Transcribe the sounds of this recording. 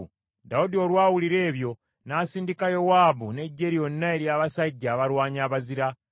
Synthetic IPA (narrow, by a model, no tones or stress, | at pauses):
daudiolwaːwuliɾe̞ːβjo̞ | naːsiːndikajo̞waːbune̞ɟːe̞ɾio̞nːaeɾjaːβasaɟːaːβalwaːɲaːβaziɾa